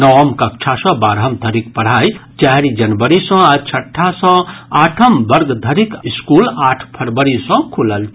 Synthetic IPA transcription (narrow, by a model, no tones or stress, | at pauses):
nɔʋəmkɐkt͡ʃʰasɔ̃baːɾɦɐmd̪ʱəɾikpɐɽ̤aːit͡ʃɛɦɾid͡ʒɐnbəɾisɔ̃at͡ʃʰɐʈʰːasɔ̃aːʈʰəmbɐɾɡd̪ʱəɾikɪskuːlaːʈʰpʰɐɾbəɾisɔ̃kʰuləlt͡ʃʰ